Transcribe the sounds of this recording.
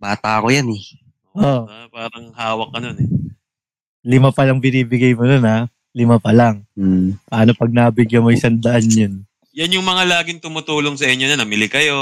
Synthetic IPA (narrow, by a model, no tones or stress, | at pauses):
baːt̪aɐko̞janɛ | oʔopaːɾɐŋhaːwɐk̚ɡɐno̞nɛ | lɪmapɐlɐŋbɪniːbɪɡajmononha | lɪmapɐlaŋ̩ːpɐʔaːnopɐɡ̚naːbɪɡjɐmojsɐnd̪ɐʔanjon | jɐnjʊŋmɐŋalaːɡɪŋt̪ʊmʊt̪uːloŋsɐʔɪɲːonɐnɐmɪlɪkɐjo̞